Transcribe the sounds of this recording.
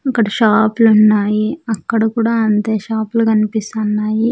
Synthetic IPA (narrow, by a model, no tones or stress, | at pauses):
ɐkːɐɽɐʃaːplunːaːjiɐkːɐɽɐkuːɽaːɐnt̪e̞ːʃaːplukɐnipist̪ɐnːaːji